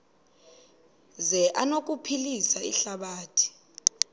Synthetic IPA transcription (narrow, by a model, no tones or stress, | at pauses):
zɛʔanok̬upʰilisaḭɬaɓaːtʰi̥